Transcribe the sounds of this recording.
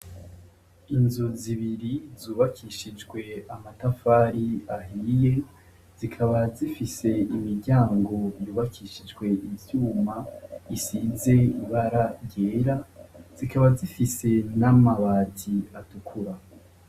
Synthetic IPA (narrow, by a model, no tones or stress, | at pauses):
inzuziβiɾizuːβakʰiʃid͡ʒɡwe̞amatafaːɾiaɦije̞ | z̥ikʰaβazifise̞imiɾɟaːŋɡo̞juːβakʰiʃid͡ʒɡwe̞ʔivjuːmaisize̞iβaɾaɾjeːɾaz̥ikaβazifise̞namaβatʰiatukʰuɾa